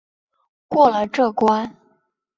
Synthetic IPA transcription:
kwɔ˥˩lə˨ʈ͡ʂɤ˥˩kwa˥n

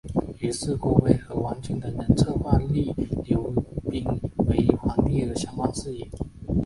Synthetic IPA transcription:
y˧˥sɹ̩˥˧kwɔ˥˩we˧˩ɪxɤ˧˥wa˧˥nt͡ɕi˧˥ŋd̪ə˨nə˧˥nt͡sʰɤ˥˧xwa˥˧li˥˩ljo˧˥ʊpi˥˩ŋwe˧˥ɪi˨˩xwa˧˥nt̪i˥˩d̪ə˩ɕjɑ˥ŋwa˥˧ŋsɹ̩˥˩i˨˩˦n

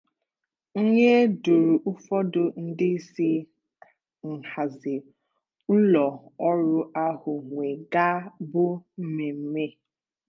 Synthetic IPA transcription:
o˦ɲe˦du˨ɾu˨ʔʊ˦fɔ˦dʊ˨n̩˦dɪ˦si˦ | ŋ̩˨ha˨zɪ˨ | n̩˦lɔ˨ɔ˦ɾʊ˦a˦hʊ˨ŋʷe˨ɡa˦bʊ˦m̩˦me˨m̩˦me˦

